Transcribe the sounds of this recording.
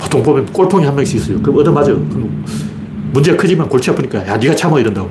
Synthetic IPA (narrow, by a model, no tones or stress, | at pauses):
po̥tʰoŋbomjʌnk͈oɭpʰoŋihanmʌɡiɕ͈iis͈ʌjokɯɾʌmʌdɯmad͡ʑokɯn | mund͡ʑeɡakʰɯd͡ʑimankoɭt͡ɕʰiʌpʰuɲik͈ajaniɡat͡ɕʰamʌiɾɯndaɡo